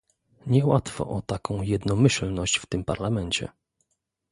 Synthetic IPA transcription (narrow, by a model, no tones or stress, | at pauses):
ɲɛwat̪fɔ̰ʔɔt̪akɔ̃w̃jɛd̪nɔmɘɕlnɔɕt͡ɕft̪ɘmpaɾlamɛɲt͡ɕɛ̰